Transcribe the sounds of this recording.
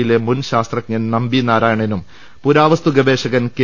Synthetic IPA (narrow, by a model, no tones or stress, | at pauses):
ilemunɕaːst̪rɐk̚ɲɐnnɐmbinaːɾaːjɐɳɐnum | puɾaːʋɐst̪uɡɐbe̞ːʂɐɣɐnke